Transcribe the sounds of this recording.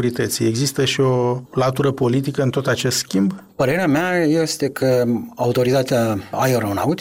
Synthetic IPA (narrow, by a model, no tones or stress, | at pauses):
uɾit̪ət̪sieɡzist̪əʃio̞lat̪uɾəpo̞lit̪̬ikəɨnt̪o̞t̪at͡ʃe̞st̪skʲimbpəɾe̞ɾeameajest̪e̞kʰəaut̪o̞ɾit̪at̪eaajoɾowna̰ut̪